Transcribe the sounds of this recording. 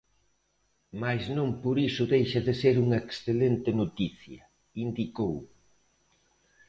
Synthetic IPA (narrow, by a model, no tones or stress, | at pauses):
majznõmpoɾisʊðejʃɐðeseɾuŋɐeksθelent̪ɪnot̪iθjɐ | ind̪ikow